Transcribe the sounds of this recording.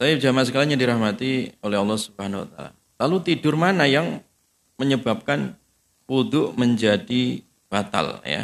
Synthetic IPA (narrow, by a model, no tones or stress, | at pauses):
saad͡ʒamasəkalaɲadiɾahmat̪iolɛɦɑlːɑhsubhanawa̰t̪a̰la̰ | lalut̪idʊrmanajaŋ | məɲəbap̚kan | pud̪ʊʔməɲd͡ʒadi | b̥at̪a̰lja̰